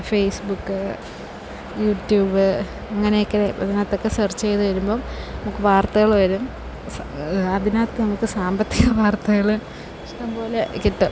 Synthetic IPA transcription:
fejsbukːɨ | juːʈjuːbɨ | ɐŋːɐnejokːɐneɐðinaːt̪ːo̞kːesɐrt͡ɕːejt̪ɨʋɐɾumbo̞ːnɐmukːɨʋaːrt̪ɐɣɐɭʋɐɾum | s | ɐðinaːt̪kːɨnɐmukːɨsaːmbɐt̪ːiɣɐʋaːrt̪ɐɣɐɭɨ | iʂʈɐmpo̞ːlekiʈːɨ

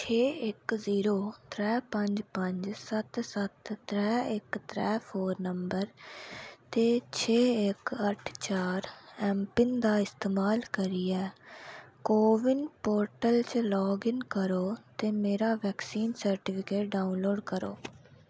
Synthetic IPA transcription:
t͡ʃʰeːɪkziːɾoːt̪ʰɾɛːpəɲd͡ʒpəɲd͡ʒsət̪sət̪tɾɛːɪkt̪ʰɾɛːpʰoːɾnəmbəɾ | t̪eːt͡ʃʰeːɪkəʈʰt͡ʃaːɾɛːmpɪnd̪aːɪst̪eːmaːlkəɾiːɛː | koːʋɪnpoːɾʈəlt͡ʃlɔːɡɪnkəɾoːt̪eːmeːɾaːʋɛːksiːnsəɾʈɪpʰɪkeːʈ̚ɖaːunloːɖkəɾo̰ː

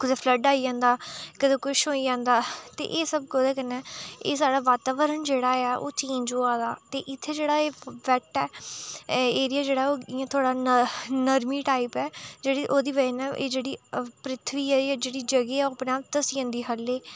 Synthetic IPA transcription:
kʊd̪eːpʰləɖaːiːd͡ʒãːnd̪aːkəd̪ẽːkʊʃɦoːiːd͡ʒãːnd̪aːt̪ḛːʔeːsəb̚kod̪eːkənɛ̃ːeːsaːɽaːʋaːt̪aːʋəɾənd͡ʒeːɽaːaːʔo̰ːt͡ʃiːnd͡ʒoːãːd̪aːt̪eːʔɪt̪ʰːeːd͡ʒeːɽaːeːʋɛʈɛː | eːɾɪjaːd͡ʒeːɽaːɛoːiãːt̪ʰaːɽaːnənəɾmiːʈaːipɛːd͡ʒeːɽiːʔoːd̪iːʋəinãːʔḛːd͡ʒeːɽiːpɾɪt̪ʰʋiːɛːjaːd͡ʒeːɽiːd͡ʒəɡeːɛːopneaːt̪əsiːə̃ːnd̪iːɦəleː

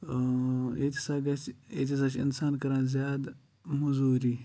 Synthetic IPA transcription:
et̪ʲisaːɡat͡ʃḛt̪ʰʲis̬at͡ʃḭnsaːnkɐɾaːnzʲjaːd̪ | muzuːɾiː

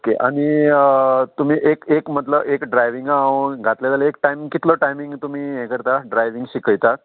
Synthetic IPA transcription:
okeʔaɽ̃i | t̪um̤iːʔekekmət̪ləekɖɾajʋiŋɡaɡʱat̪ljad͡zaləek̚ʈajmiŋkit̪ləʈajmiŋɡt̪um̤iːekəɾt̪aɖɾajʋiŋɡɕikəjt̪at̪

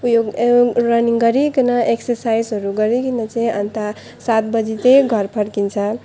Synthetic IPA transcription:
ujoɡɾʌniŋɡʌɾikinʌʔeksʌɾsajzɦʌɾuɡʌɾikinʌt͡sĩʌnt̪a | sat̪bʌd͡zit̪eɡʱʌɾpʰʌɽkint͡sʰʌ

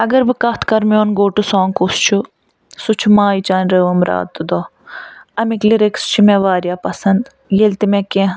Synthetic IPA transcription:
ɐɡɐɾbɨkɐt̪ʰkɐɾmoːnɡoːʈusɔ̃ːŋkust͡ʃʰu | sut͡ʃʰumaːit͡ʃaːnʲɾəːʋəmɾa̰ːd̪̚t̪ːud̪oː | ɐmikliɾekst͡ʃʰimɛ̃ːʋaːɾjaːpɐsɐnd̪ | jelʲt̪imẽːkẽ

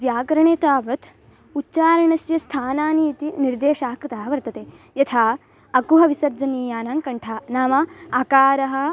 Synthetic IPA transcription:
ʋjaːɡɾɐɳeːt̪aːʋɐt̪ | utːt͡ʃaːɾɐɳɐsjɐst̪ʰaːnaːniːt̪iniɾd̪eːʃaːkɾɪt̪aɦɐʋɐɾt̪ɐt̪eː | jɐt̪ʰaː | ɐkuɦɐʋisɐɾd͡ʒɐniːjaːnaːŋkɐɳʈʰaːnaːmɐaːkaːɾɐɦɐ̆

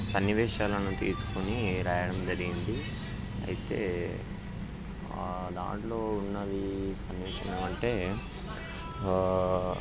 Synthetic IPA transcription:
sɐnːiʋɛːʂaːlɐnut̪iːsu̥kuniːɾaːjɐɽɐmd͡ʒɐɾiɡind̪i | ɐ̰jit̪e̞̰ː | d̪a̰ːɳʈlo̞ːunːɐd̪isɐnːiʋɛːʃɐ̰nemɐɳʈe̞ː

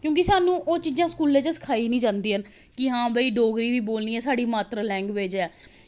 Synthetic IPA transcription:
kjõːkɪsaːnũːʔoːt͡ʃiːd͡ʒãːskuːleːt͡ʃəsə̥kʰaːiːnĩːd͡ʒãːnd̪iːɦən | kɪɦãːbəiːɖoːɡɾiːʋiːboːlniːɛːsaːɖiːmaːt̪ɾaːlɛ̃ːŋɡʋeːd͡ʒɛː

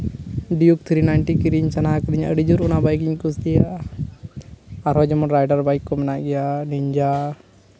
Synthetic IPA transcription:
ɖijuk̚t̪ʰɾinajɳʈikiɾiɲt͡ʃanakɾiɲə̰ɖid͡ʒuɾunabajk̬iɲkusdɛjaʔ | aɾɦɔd͡ʒɔmɔɾajɖaɾbajkːɔmɛnaʔɡɛjaniɲd͡ʒa

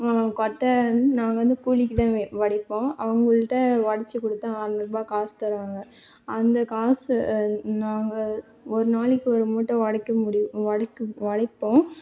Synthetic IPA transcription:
ãkɔʈːɐɐnd̪ɯnaːŋɡɐʋɐnd̪ɯkuːlɪkːɯt̪ãːʋɐɽɪpːõːɐʋɐŋɡɐɭɯʈːɐʋɐɽɐt͡ʃːɯkːɔɽɯt̪ːãaːɾmɐɾbaːkaːst̪ɐɾɯʋaːŋɡɐ | ɐnd̪ɐkaːs | naːŋɡɐ | ɔɾɯnaːlɪkːɯɔɾɯmuːʈːɐ̃ʋɐɽɐkːɐmʊɽɪj̃ɐɽɐkːɯʋɐɽɪpːõː

